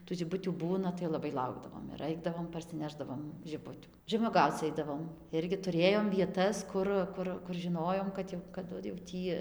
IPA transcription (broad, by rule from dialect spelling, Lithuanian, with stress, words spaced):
tuː ʒʲɪˈbʊtʲuː ˈbuːnɐ tɐɪ lˠɐˈbɐɪ ˈlˠɐʊɡdɐʋoːm ɪr ˈɐɪdɐʋoːm pɐrʲsʲɪˈnʲæːʒdɐʋoːm ʒʲɪˈbʊtʲuː ʒʲɛmuɔˈɡɐʊt͡s ˈɐɪdɐʋoːm ˈɪrʲɡʲɪ tʊˈrʲeːjoːm ʋʲiɛˈtɐs ˈkʊr ˈkʊr kʊr ʒʲɪˈnoːjoːm kɐt ˈjɛʊ kɐˈdʊ jɛʊ ˈtʲiː